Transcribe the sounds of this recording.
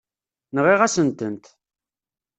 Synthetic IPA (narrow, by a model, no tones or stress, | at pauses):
nəʁiʁæsənt̪ənt̪